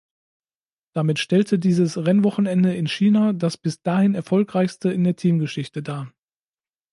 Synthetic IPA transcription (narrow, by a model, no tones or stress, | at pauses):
d̥amɪtʃtɛltʰədiːzəsʁɛnvɔχn̩ɛndəɪnʃiːnadasb̥ɪsd̥aːhɪnɛɐfɔlkʁ̥aɪçstəɪndeːɐtʰiːmɡəʃɪçtədaː